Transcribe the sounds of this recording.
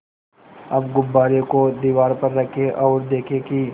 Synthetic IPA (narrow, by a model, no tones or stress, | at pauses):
ɐbɡʊbːaːɾekod̪iːʋaːɾpɐɾːɐkʰeʔɔːɾd̪eːkʰeki